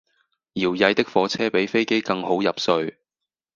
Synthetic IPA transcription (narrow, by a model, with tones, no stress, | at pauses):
jiː˨˩wjɐ˧jt̪ɪ˥k̚fɔː˨˧˥t͡sʰɛː˥pe˨˥jfe˥jke˥jkɐ˧ŋho˨˥wjɐ˨p̚sɵ˧ɥ